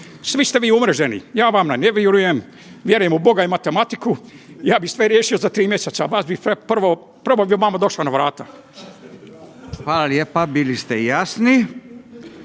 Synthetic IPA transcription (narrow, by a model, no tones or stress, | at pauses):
sʋist̪e̞ʋiːumɾeʒenḭjaːʋamnaneʋiɾuje̞m | ʋʲje̞ɾuje̞mubo̞ɡaimat̪e̞mat̪ikujaːbisʋeɾjeːʃio̞zat̪ɾiːmjeset̪saʋaːsbipepr̩ʋo | pɾʋobiʋamad̪o̞ʃlanaʋɾaːt̪a | xʋaːlaljepabilist̪ejasni